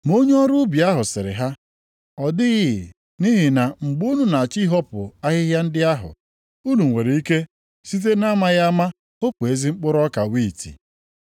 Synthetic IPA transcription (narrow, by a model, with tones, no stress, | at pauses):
mo˦ɲ˦ɔ˦ɾu˦bi˨a˦ɦʊ˨sɪ˨ɾɪ̰˨ɦa˦ | ɔ˨dɪ˦ɣɪ˦˨ | ni˦ɦi˨na˨ŋ͡m̩˨ɡ͡bu˦nu˦na˨a˨t͡ʃi˦ɦɔ˦pʊ̰˨a˦ɣɪ˦ɦja˦n̩˦dɪ˦a˦ɦʊ̰˨ | u˦nu˨ŋ˨ŋʷe˨ɾe˨i˦ke˦ | si˦t̬e˦na˦ma˦ɣa˦ma˦ | o˦k͡pʷe˨zi˦ŋ͡m̩˦k͡pʊ˦ɾɔ˦ka̰˨wiː˦˨tḭ˨